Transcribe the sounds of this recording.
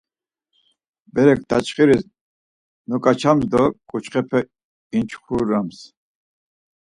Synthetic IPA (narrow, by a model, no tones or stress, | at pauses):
bɛɾɛk̚ʰd̪at͡ʃʰχiɾis | nɔkʼat͡ʃʰamzd̪ɔkʼut͡ʃχɛpʰɛ | int͡ʃʰχuɾams